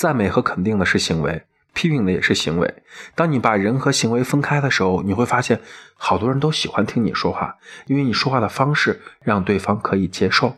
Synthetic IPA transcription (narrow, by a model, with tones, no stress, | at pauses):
t͡sa˥˩nme˧˩ɪxɤ˧˥kʰə˨˩nt̪̬i˥˩ŋd̪ə˩ʂɻ̩˥˩ɕi˧˥ŋwḛ˧˥ɪ | pʰi˥pi˥˩ŋd̪ə˩jɛ˨˩ʂɻ̩˥˩ɕi˧˥ŋwḛ˧˥ɪt̪ɑ˥ŋni˧˥pa˨˩ɻə˧˥nxɤ˧˥ɕi˧˥ŋwe˧˥ɪfə˥nkʰa˥ɪd̪ə˨ʂɻ̩˧˥xo˧ʊni˨˩xwe˥˩ɪfa˥ɕjɛ˥˩nxɑ˨˩ʊt̪wɔ˥ɻə˧˥nt̪o˥ʊɕi˨˩xwa˧˥nt̪ʰi˥ŋnḭ˨˩ʂwɔ˥xwa̰˥˩i˥nwe˥˩ɪni˨˩ʂwɔ˥xwa˥˩d̪ə˩fɑ˥ŋʂɻ̩˥˩ɻɑ˥˧ŋt̪we˥˩ɪfɑ˥ŋkʰɤ˧˥i˨˩t͡ɕjɛ˥ʂo˥˩ʊ